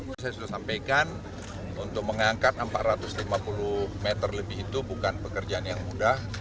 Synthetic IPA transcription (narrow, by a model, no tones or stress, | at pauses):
s̬ajasudasampajkan | unt̪ʊk̚məŋaŋkat̪̚əmpaʔ̪ɾat̪ʊslimapulumet̪ərləbɪɦit̪ubukanpəkərd͡ʒaːnjaŋmudah